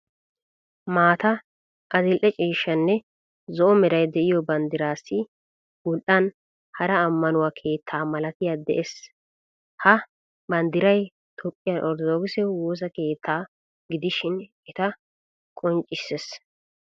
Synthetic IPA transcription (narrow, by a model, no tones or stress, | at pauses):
maːt̪ɐ | ʔɐzɪlʔɛt͡ʃʼiːʃːɐnːɛ | zɔʔɔmɛɾɐjd̪ɛʔɪjɔbɐnd̪ɪɾaːsːɪ | ɡʊlʔɐn | hɐɾɐːmːɐnʊwakʰe̞ːt̪ʰːaːmɐlɐt̪ɪjad̪ɛ̰ʔes | hɐ | bɐnd̪ɪɾɐj | t̪ʰɔpʼːɪjɐʔɔɾd̪ɔd̪oɡɪsɛwoːs̬ɐke̞ːt̪ʰːaː | ɡɪd̪ɪʃɪn | ɛt̪ɐ | kʼɔnt͡ʃʼɪsːes